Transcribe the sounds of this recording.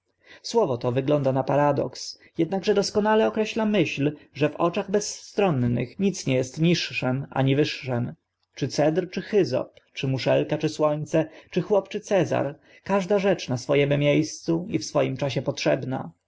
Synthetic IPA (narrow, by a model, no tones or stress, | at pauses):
swɔvɔt̪ɔvɘɡlɔnd̪anapaɾad̪ɔ̰ks | jɛd̪̚naɡʐɛd̪ɔskɔnalɛɔkɾɛɕlamɘɕlʐɛvɔt͡ʂaɣbɛsːt̪ɾɔnːɘ̰xɲit̪sɲɛjɛst̪ɲiʂːɛmʔa̰ɲivɘʂːɛm | t͡ʂɘt̪sɛd̪ɾt͡ʂɘxɘzɔ̰pt͡ʂɘmuʂɛlkat͡ʂɘswɔɲt̪sɛt͡ʂɘxwɔpt͡ʂɘt̪sɛza̰ɾ | kaʐd̪aʐɛt͡ʂnasfɔjɛmmʲjejst̪suifsfɔjimt͡ʂaɕɛpɔtʂɛbna̰